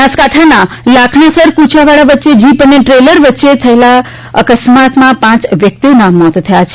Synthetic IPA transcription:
askaʈʰana | lakʰnasəɾkut͡ʃʰaʋaɭaʋətːʃed͡ʒipəneʈɾeləɾʋətːʃet̪ʰəela | əkəsmat̪mãpãt͡ʃʋjək̚t̪ionamɔt̪t̪ʰəjat͡ʃʰ

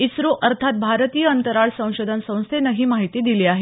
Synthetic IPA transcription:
isɾoʔəɾt̪ʰat̪̚bʱaɾət̪ijəənt̪əɾaɭsə̃w̃ɕod̪ʱənsə̃w̃st̪ʰenəɦiːmaɦit̪iːd̪iliːaɦe

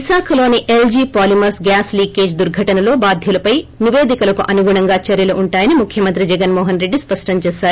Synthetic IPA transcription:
isaːkʰɐlo̞ːniʔeld͡ʒiːpaːlimɐɾsɡaːsliːkeːd͡ʒd̪uɾɡʱɐʈɐnɐlo̞ːbaːd̪ʱjulɐpɐjniʋeːd̪ikɐlɐkuʔɐnuɡuɳɐŋɡaːt͡ʃɐɾjɐluʔuɳʈaːjɐnimukʰjɐmɐnt̪ɾid͡ʒɛɡɐnmɔːɦɐnɾe̞ɖːispɐʂʈɐɲt͡ʃeːsaːɾu

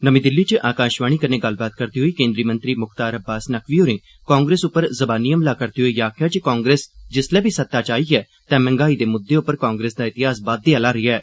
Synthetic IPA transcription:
nəmĩːd̪ɪlːiːt͡ʃəʔaːkaːʃʋaːɽ̃iːkəneːɡɐlbaːt̪̚kəɾt̪iːɦoiːkẽːnd̪ɾiːmə̃nt̪ɾiːmʊkʰt̪aːɾəbaːsnəkʰʋiːɦoːɾẽː | kaːŋɡɾeːsʊpːəɾzəbaːnijəmlaːkəɾt̪iːɦoiːjaːkʰjaːt͡ʃəkãːŋɡɾeːsd͡ʒɪslɛːbʱiːsət̪ːaːt͡ʃaːiːɛː | t̪ɛ̃ːmɛ̃ŋɡaːiːd̪eːmʊd̪ːeːʊpːəɾkaːŋɡɾeːsd̪aːɪt̪ɪɦaːsbaːd̪ːɪaːlaːɾiːɛː

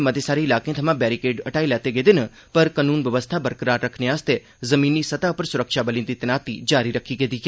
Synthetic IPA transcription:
məd̪esaːɾeɪlaːkẽt̪ʰəmãːbɛːɾikeːɖəʈaːilɛːt̪eɡeːd̪enə | pəɾkənuːnʋjəʋəst̪ʰabəɾkəɾaːɾːəkʰnejaəst̪e | zəmĩːnːisət̪aʊpəɾsʊɾəkʃabəlĩnd̪it̪ɪnaːt̪id͡ʒaːɾiɾəkʰiɡeːd̪iːɡe

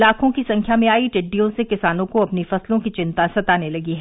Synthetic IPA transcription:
laːkʰõkisɐ̃ŋkʰjamẽaːiʈɪɖːijõsekɪsaːnõkoɐpnifɐslõkit͡ʃɪ̃nt̪asɐt̪aːnelɐɡiɦɛ

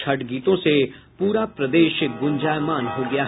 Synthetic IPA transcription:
t͡ʃʰɐʈɡiːt̪õse | puːɾapɾɐd̪eːʃɡʊ̃nd͡ʒaːjmaːnɦoɡɐjaː

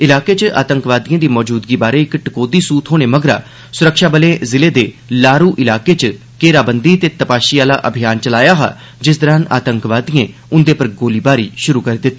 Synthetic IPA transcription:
ɪlaːkeːt͡ʃəʔa̰ːt̪əŋkʋaːd̪ijãːd̪iːmɔːd͡ʒuːd̪ɡiːbaːɾeːɪkʈəkoːd̪iːsuːt̪ɦoːñeːməɡɾa̰ː | sʊɾəkʃaːbəlẽːzɪleːd̪eː | laːɾuːʔɪlaːkeːt͡ʃə | keːɾaːbənd̪iːt̪eːt̪əpaːʃiaːla̰ːʔəbʱɪjaːnt͡ʃəlaːjaːɦa̰ː | d͡ʒɪsd̪əɾaːna̰ːt̪əŋkʋaːd̪ijẽːʊnd̪eːpəɾɡoːliːbaːɾḭːʃʊɾuːkəɾeːd̪ɪt̪ː

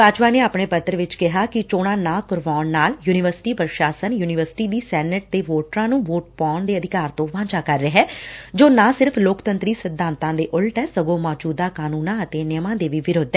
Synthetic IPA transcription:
baːt͡ʃpaːneːaːpɳeːpət̪ːəɾʋɪt͡ʃkɪɦaːkɪt͡ʃoːɽ̃ãːnãːkʊɾʋaːnːaːljuːnɪʋəɾsɪ̥ʈiːpɾəʃaːsənjuːnɪʋəɾsɪ̥ʈiːd̪iːsɛːnəʈ̚t̪eːʋoːʈɾãːnũːʋoːʈ̚pɔːɳd̪eːəd̪ɪkaːɾt̪õːʋãːt͡ʃaːkəɾːəɦɛːd͡ʒoːnãːsɪɾpʰloːkt̪ənt̪ɾiːsɪd̪ʱːãːnt̪ãːd̪eːʔʊlʈɛːsəɡõːmɔːd͡ʒuːd̪aːkaːnũːnãːət̪eːnɪəmãːd̪eːʋiːʋɪɾoːd̪ːɛː

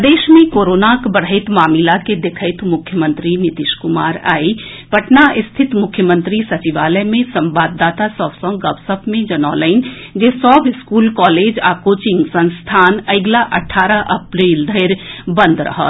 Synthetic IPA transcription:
d̪eːʃmẽkoːɾoːnakbəɽ̤et̪maːmilaked̪ekʰəɪt̪mʊkʰjəmə̃nt̪ɾinɪt̪ɪʃkʊmaːɾa̰ːi | pɐʈnaʔɪst̪ʰɪt̪mʊkʰjəmə̃nt̪ɾisɐt͡ʃiʋaːləmẽsə̃mbaːd̪ːaːt̪asɔːbsɔ̃ŋɡɐʋsəb̚ʰmẽd͡ʒɐnɔːləɪnd͡ʒeːsɔːbɪskuːlkɔːleːd͡ʒaːkoːt͡ʃɪ̃ŋɡsə̃nst̪ʰaːnɐɪɡlaʔɐʈʰːaːɾəʔɐpɾiːld̪ʱəɪɾbə̃nd̪ʱɾə̰ɦə̰t̪

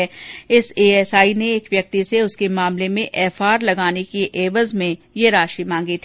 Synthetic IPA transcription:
ɛɪseːɛːsaːineeːkʋjɐk̚t̪iseʊskemaːmlemẽʔɛːfaːɾlɐɡaːnekiʔeːʋəzmẽjeɾaːʃimãːŋɡit̪ʰː

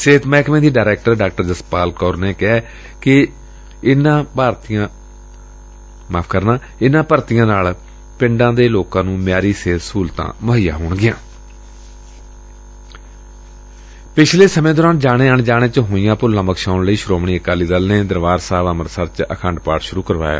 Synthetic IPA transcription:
seːt̪mɛːkmẽːd̪iːɖaːɾɛːk̚ʈəɾɖaːk̚ʈəɾd͡ʒəspaːlkɔːɾneːkɛː | kɪ | ɪnãːpaːɾt̪ijãː | maːpʰkəɾnãː | ɪnãːpəɾt̪ijãːnaːl | pɪ̃ɳɖãːd̪eːloːkãːnũːmjaːɾiːseːt̪suːlt̪ã̰ːməɦɪjã̰ːɦoːɳɡɪjã̰ː | pɪt͡ʃʰleːsəmẽːd̪oːɾãːnd͡ʒaːɽeːəɳd͡ʒaːɽ̃eːt͡ʃɦoːijãːpʊlãːməkʰʃaːʊnləiːʃʊɾoːmɳ̃iːəkaːliːd̪əːlneːd̪əɾʋaːɾsaːʋəməɾsəɾt͡ʃə̰kʰəɳɖpaːʈʃʊɾuːkəɾʋa̰ːja̰ː

